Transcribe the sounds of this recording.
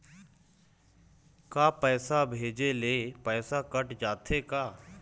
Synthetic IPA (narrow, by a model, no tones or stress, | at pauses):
kaːpɛːsabʱeːd͡ʒeleːpɛːsakəʈd͡ʒaːt̪ʰekaː